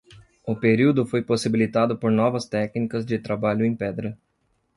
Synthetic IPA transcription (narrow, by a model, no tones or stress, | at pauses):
ʊpeɾiwd̪ʊfojposibilit̪ad̪ʊpoɾnɔvɐst̪ɛknikɐzd͡ʒɪt̪ɾabaʎʊẽj̃pɛd̪ɾɐ